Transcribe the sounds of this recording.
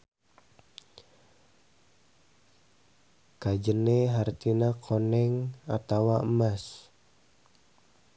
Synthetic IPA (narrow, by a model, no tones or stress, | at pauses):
kad͡ʒəneɦart̪inakʰonɛŋat̪awaəmas